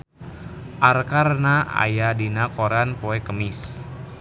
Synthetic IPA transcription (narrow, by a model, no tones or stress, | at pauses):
ʔarkarnaa̰jadinakoɾanpoɛkəmɪs